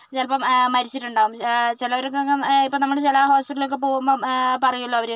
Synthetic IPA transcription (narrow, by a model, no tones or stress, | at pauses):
t͡ɕɐlpɐmːɐɾit͡ɕːiʈːuɳɖaːʋumt͡ɕilɐʋɐɾokːŋːɐipːonɐmːɐɽt͡ɕelaːɦo̞ːspiʈːɐlilo̞k̬ːepoːumboːpɐrɐjuɭːɐɐʋɐɾe